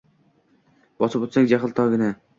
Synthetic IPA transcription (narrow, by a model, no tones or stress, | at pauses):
bɒsɨpot̪saŋd͡ʒaχɨlˠt̪ʰɒɡʲɪnɪ